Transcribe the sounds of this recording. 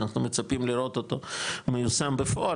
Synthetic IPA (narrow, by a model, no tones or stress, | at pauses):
naχnumet͡sapimliɾo̞t̪o̞t̪o̞mejusambefo̞a